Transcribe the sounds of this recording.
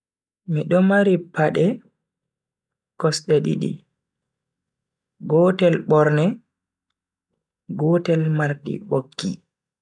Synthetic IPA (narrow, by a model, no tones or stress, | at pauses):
miɗɔmaɾipːaɗɛ | kɔsɗɛɗḭɗḭ | ɡɔːtɛlɓɔɾnɛ | ɡɔtɛlmaɾtḭɓokːḭ